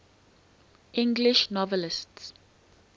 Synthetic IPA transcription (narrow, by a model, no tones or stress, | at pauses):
ʔɪ̃ŋɡlɪʃnɔvəlɪsts